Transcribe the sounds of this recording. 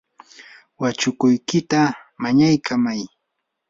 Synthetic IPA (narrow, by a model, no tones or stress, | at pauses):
wat͡ʃʊkʊjkɪt̪amaɲajkʰamaj